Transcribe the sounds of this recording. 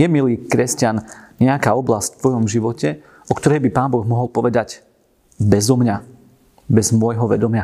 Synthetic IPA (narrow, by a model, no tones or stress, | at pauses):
jɛmiliːkɾɛscanɲɛakaːɔblasctft̪ʋɔjɔmʒiʋɔcɛ | ɔkt̪ɔɾɛjbipaːnbɔɣmɔɦɔlˠpɔʋɛd̪aɟ | bɛzɔmɲa | bɛzmʊɔjɦɔʋɛ̰d̪ɔmɪa